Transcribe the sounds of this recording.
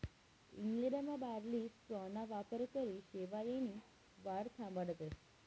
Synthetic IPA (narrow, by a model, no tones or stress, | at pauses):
ḭŋɡlɛɖamãbaɾlispɔnaʋapəɾkəɾiʃeʋajini | ʋaɽt̪ʰãmbəɽət̪e